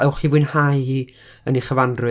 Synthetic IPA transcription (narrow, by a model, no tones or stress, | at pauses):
ɛwχivʊɨnhaji | əniχəvandrʊ